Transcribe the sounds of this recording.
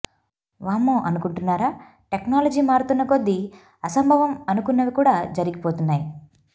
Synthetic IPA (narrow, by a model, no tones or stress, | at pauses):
ʋaːmːoːʔɐnukuɳʈunːaːɾaː | ʈeknaːlɐd͡ʒiːmaːɾut̪unːɐko̞d̪ːi | ɐsɐmbʱɐʋɐmɐnukunːɐʋikuːɽaːd͡ʒɐɾiɡipoːt̪unːaːji